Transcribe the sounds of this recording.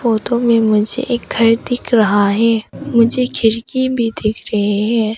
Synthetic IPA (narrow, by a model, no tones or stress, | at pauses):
foːt̪õmẽmʊd͡ʒʱḛʔeːk̚ɡʰʱɐɾd̪ɪkʰɾɐɦaɦɛ̃ːmʊd͡ʒʱekʰɪɾkibʱid̪ɪkʰɾɐɦeɦɛ̃ː